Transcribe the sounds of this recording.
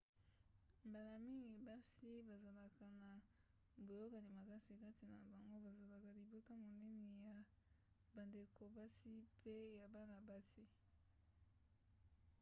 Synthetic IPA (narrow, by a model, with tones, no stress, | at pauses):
mba˨la˨mi˦ŋɡi˨ba˦si˦ba˨za˨la˨ka˨na˨ | bo˨jo˦ka˨li˨ma˨ka˦si˨ka˦ti˨na˨ba˨ŋɡo˦ba˨za˨la˨ka˨li˨bo˦ta˦mo˨nɛ˦ne˨ja˨ | ba˨nde˨kʰo˨ba˦si˦pʰe˦ja˨ba˦na˨ba˦si˦